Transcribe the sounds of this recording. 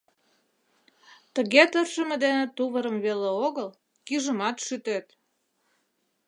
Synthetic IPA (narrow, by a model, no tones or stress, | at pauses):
t̪əɣet̪ərʃə̆mĕd̪enet̪uβəɾəmβeleoɣəl | kiʒəmɑt̪ʃyt̪et̪